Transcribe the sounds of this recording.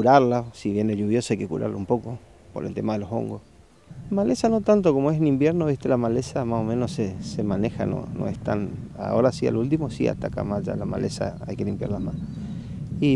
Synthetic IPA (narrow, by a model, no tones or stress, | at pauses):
kuɾaɾlasiβjeneʎuβjosajkekṵɾʔa̰ɾloumpoko | po̰ɾelt̪emaðeloso̞̰ŋɡos | malesanot̪ant̪okomoesnimbjeɾnoβiht̪elamalesamasomẽnossesemanexa̰no̰no̰eht̪ana̰oɾasia̰lult̪̬imosia̰t̪aka̰mad͡ʒa̰lama̰lʔesa̰a̰jkelimpja̰ɾlamas | i